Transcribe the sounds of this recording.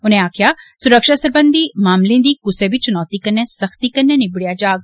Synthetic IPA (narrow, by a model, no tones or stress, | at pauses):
ʊnẽaːkʰijaːsʊɾəkʃasɐɾbə̃nd̪imaːmlĩd̪ikʊseʋit͡ʃʊnɔːt̪ikɐnːẽsɐxt̪ikɐnːẽnɪbɽijad͡ʒaːɡ̚